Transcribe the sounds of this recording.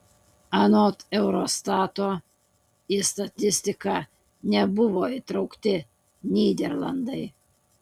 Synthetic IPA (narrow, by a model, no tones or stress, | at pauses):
ɐnoːt̪ɛʊɾost̪ɑːt̪oː | ist̪ɐt̪ʲɪsʲt̪ʲɪkɑ | nʲɛbʊʋoːit̪ɾɐʊkt̪ʲɪ | nʲiːd̪ʲɛɾlˠɐ̰nd̪ɐɪ